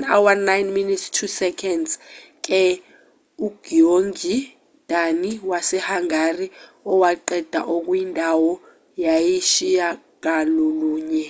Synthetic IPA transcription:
nawanajnminittʰusɛkʰɛndzk̬ʼɛ | uɡ̥ioŋɡi | d̥ʱaniwasɛhaŋari | ɔwaǃɛd̥ʱa̰ʔok̬ʼwjindʱawɔ | jajiʃija | k̬aloluːɲɛ

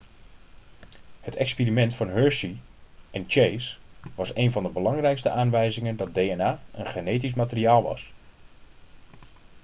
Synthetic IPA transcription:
hətɛkspiːrimɛntfɑnɦøɹsiʔɛnt͡ʃejsʋɑsejnvɑndəbəlɑŋrɛjkstəʔaːnʋɛjzɪŋəndɑt̚dejɛnaːənχenejt̬is̬maːtəriaːlˠʋɑ̰s

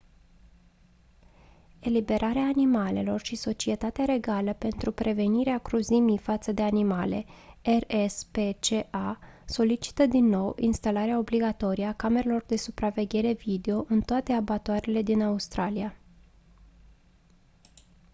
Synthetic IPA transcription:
e̞libe̞ɾʔaɾeaːnimale̞̰lo̞rʃiso̞t͡ʃie̞t̪at̪eaɾe̞ɡaləpe̞nt̪ɾupɾʔe̞ve̞niɾeakɾuzimifat̪səd̪e̞animale̞̰erespe̞t͡ʃe̞ʔaso̞lit͡ʃi̥t̪əd̪inːo̞winst̪alaɾeao̞bliɡat̪o̞ɾiakame̞ɾelo̞rd̪e̞supɾave̞ɡʲe̞ɾe̞vid̪e̞o̞ʔɨnt̪oat̪e̞abat̪oaɾele̞d̪inaust̪ɾalia

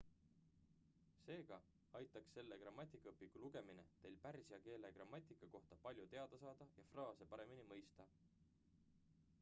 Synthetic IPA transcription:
se̞ːɡ̥ɑ | ɑjt̪ːˑɑksːe̞lːe̞krɑmːɑt̪ʲːˑikːˑɑɤpːˑikːˑuluɡ̥e̞mine̞̰t̪e̞jlpærsiɑke̞ːle̞krɑmːɑt̪ʲːˑikːˑɑko̞ht̪ɑpɑlʲjut̪e̞ɑd̪̥ɑsɑːd̪̥ɑjɑfrɑːse̞pɑɾe̞minimɤjst̪ɑ

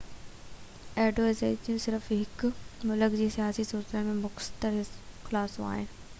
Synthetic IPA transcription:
ɛːɖoːɪzḛːd͡ʑijũsɪɾəfɦɪkmʊləkd͡ʑiːsijaːsisuːɾt̪ənmẽmʊxt̪əɾɦɪsxɪlaːsõa̰ːɦɪnɪ̆

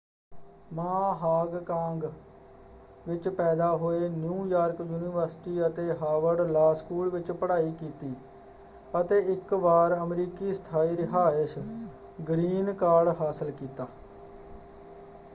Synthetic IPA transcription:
maːɦaːɡkãːŋɡ | ʋɪt͡ʃpɛːd̪aːɦoːeːnjũːjaːɾkjuːniːʋəɾsɪ̥ʈiːət̪eːɦaːʋəɾɖlaːskuːlʋɪt͡ʃpəɽaːiːkiːt̪iː | ət̪eːɪkʋaːɾəmɾiːkiːst̪ʰaːiːɾɪɦaːɪs | ɡɾiːnkaːɾɖɦaːsəlkiːt̪aː

